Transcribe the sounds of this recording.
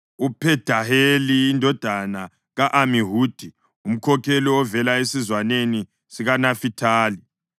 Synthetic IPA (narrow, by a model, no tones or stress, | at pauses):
upʰɛd̥ʱaheliːndʱɔd̥ʱana | ɣaʔamiɦuːd̥ʱi | um̩kʰɔkʰɛliɔvɛlaesizwaneni | siɣanafitʰaːli